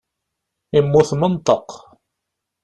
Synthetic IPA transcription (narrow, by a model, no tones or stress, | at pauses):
imːʊθmənt̪ˤəq